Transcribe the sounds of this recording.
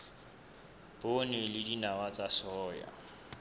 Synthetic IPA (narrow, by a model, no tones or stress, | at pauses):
b̥onɪlɪdinawat͡sʼasɔːja̰